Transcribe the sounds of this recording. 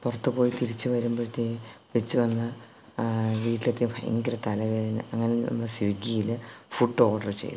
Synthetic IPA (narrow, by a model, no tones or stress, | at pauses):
purɐt̪ːɨpoːjit̪iɾit͡ɕːɨʋɐɾumbot̪ːejpit͡ɕːɨʋɐnːɐ | ʋiːʈːilet̪ːijumfɐ̰jɐ̰ŋɡiɾɐt̪ːɐlɐʋɐinɨ̰ɐŋːɐnenḭnːɐsiʋiɡijilɨfuɖːo̞ːɖɐrt͡ɕḛjːɐ̰